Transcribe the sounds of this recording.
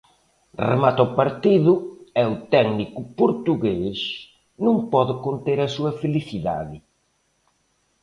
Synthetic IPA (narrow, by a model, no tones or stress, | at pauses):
rḛmat̪ɔpaɾt̪iðʊɛʊt̪ɛɡnikʊpoɾt̪uɣes | nũŋpɔðʊkont̪eɾɐsuɐfeliθiða̰ðɪ